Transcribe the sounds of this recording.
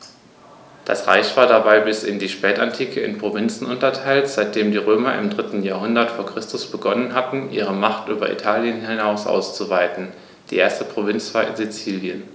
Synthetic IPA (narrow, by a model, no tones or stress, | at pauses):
d̥a̰sʁa̰ɪçv̥aːɐdabaɪbɪsɪndiːʃpɛːta̰ntʰiːkʰəɪ̰npʁ̥ovɪnt͡sn̩ʔʊntɐtʰaɪltz̥aɪt̚d̥eːmdiːʁ̞øːmɐʔɪ̰mdʁɪtn̩jaːɐhʊndɐtfoːɐkʁ̥ɪstʊsb̥əɡɔnənɦatn̩ʔiːʁ̞əmaχtʔyːbɐ̰ʔḭtʰaːljənhɪnaʊsʔa̰ʊst͡suvaɪtn̩ | d̥iːʔeːɐstəpʁ̥ovɪnt͡sv̥aːɐɪ̰nzit͡siːljən